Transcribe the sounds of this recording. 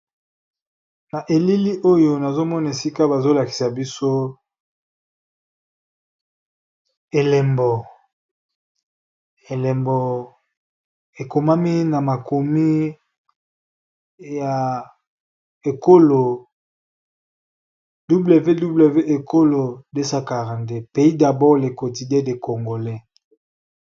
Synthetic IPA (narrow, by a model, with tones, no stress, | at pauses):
na˨ʔe˨li˦li˦ʔo˦jo˨na˨zo˦mɔ˦na˨e˨si˦ka˦ba˨zo˦la˨ki̥˨sa˨bi˦so˦ | e˨lɛ˨mbɔ˨ | e˨le˨mbɔ˨ | e˨ko˨ma˦mi˦na˨ma˨ko˨mi˦ | ja˨ | e˨ko˦lo˨ | du˦ble˨ve˦du˦ble˨ve˦ʔe˨ko˦lo˨de˦sa˦ka˨ʁa˨nde˨pe˨˦i˦da˨bɔ˦le˨ko˨ti˨dɛ˦de˨ko˨ŋɡo˨lɛ˦